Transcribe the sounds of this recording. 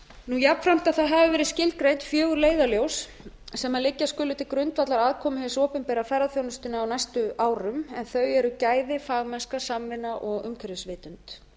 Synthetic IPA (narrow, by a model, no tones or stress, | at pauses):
nujapnfɾam̥t̪aðθaðɦavɪvɛːɾɪscɪlt̪̚kɾejt̪fjœːɣʏɾleːjðaljows | sɛmalɪcːaskʏːlʏt̪ɪkɾʏnt̪vat̪laɾaðkʰɔːmʏhɛsɔːpʏnpɛːɾafɛjɾaθjownʏst̪ɪnaːwnajst̪ʏʔaːwɾʏmɛnθœɥɛɾʏcaːjðɪfaːɣmɛnskasamvɪnaʔɔɣʏmkʰɛɾðʏsvɪːt̪ʏnt̪